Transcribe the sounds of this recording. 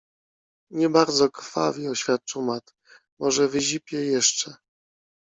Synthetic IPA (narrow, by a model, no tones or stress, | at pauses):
ɲɛbaɾd̪zɔkɾfa̰vʲiɔɕfʲjat̪̚t͡ʂumat̪ | mɔʐɛvɘʑipʲjɛjɛʂt͡ʂɛ